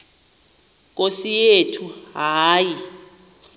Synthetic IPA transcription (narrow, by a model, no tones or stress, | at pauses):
k̬ʼosijetʰuɦaːji